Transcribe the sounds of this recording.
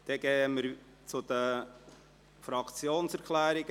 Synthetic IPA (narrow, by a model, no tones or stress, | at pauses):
d̥ɛɡɛːəməɾ | t͡sud̪ə | fɾɑkt͡sjoːnsɛɾkʰlæːɾɪɡ̥ə